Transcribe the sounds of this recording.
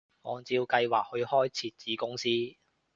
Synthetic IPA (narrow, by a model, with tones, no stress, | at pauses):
ŋɔː˨˧˥nt͡siː˧wkɐ˧jwaː˨k̚hɵ˧ɥhɔː˥jt͡sʰiː˧t̚t͡siː˨˥kʊ˥ŋsiː˥